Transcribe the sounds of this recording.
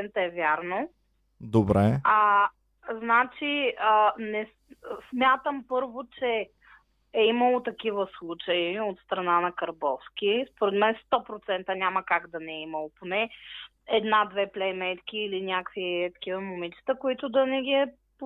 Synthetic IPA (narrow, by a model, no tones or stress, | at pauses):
ɛnt̪əɛvʲjaɾno | d̪obɾɛa | znat͡ʃiənɛ | smʲjat̪əmpɤɾvot͡ʃɛ | ɛiməlˠot̪ɐkivəslˠut͡ʃəiot̪st̪ɾɐnanɐkɐɾbɔfskʲispoɾɛt̪mɛnst̪ɔpɾot̪sɛnt̪ənʲaməkaɡd̪ɐnɛɛiməlˠoponɛ | ɛd̪nad̪vɛplɛjmɛt̪k̟ʲiːlinʲakviɛt̪ɐ̥kivəmomit͡ʃi̥t̪əkoit̪ʊd̪ɐnɛɡʲiɛ | p